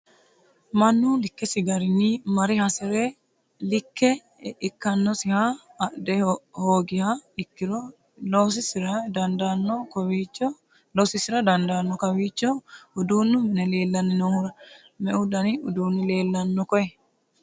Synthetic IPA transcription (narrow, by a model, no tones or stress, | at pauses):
mɐnːulɪkːɛsɪɡɐɾɪnimɐɾɪhɐsɛɾɛ | lɪkːɛ | ɪkːɐnːɔsɪhaːʔd̪ɛhoːɡɪhaɪkːɪɾɔ | los̬ɪsɪɾɐd̪ɐnd̪ɐnːɔkɔwit͡ʃːɔ | lɔsɪsɪɾɐd̪ɐnd̪anːɔkɐwiːt͡ʃːɔʊd̪uːnːʊmɪnɛle̞ːlːɐnːɪnohʊɾɐ | mɛʔʊd̪ɐnɪʊd̪uːnːɪle̞ːlːɐnːɔkɔʔɛ